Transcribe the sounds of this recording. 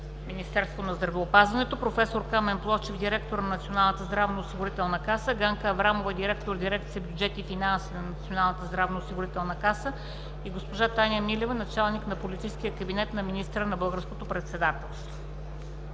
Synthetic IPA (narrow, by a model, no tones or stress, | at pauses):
minist̪ɛɾst̪vonɐzd̪ɾɐvɛopazvɐnɛt̪opɾofɛsoɾkamɛnplˠɔft͡ʃɛfd̪iɾɛkt̪oɾnɐnt̪sionalˠnət̪əzd̪ɾavnoːsiɡʊɾit̪ɛlˠnəkasəɡaŋkəːvɾamovəd̪iɾɛk̚t̪oɾd̪iɾɛkt̪siəbʲjud͡ʒɛt̪ifinansinɐnɐt̪sionalˠnət̪əzd̪ɾavnoːsiɡʊɾit̪ɛlˠnəkasə | iɡospoʒat̪anʲjəmilɛvənɐt͡ʃalˠniknɐpolit̪isk̟ijəkɐbinɛt̪nɐminist̪əɾənɐbɤlˠɡəɾskot̪opɾɛt̪sɛd̪at̪ɛlˠst̪vo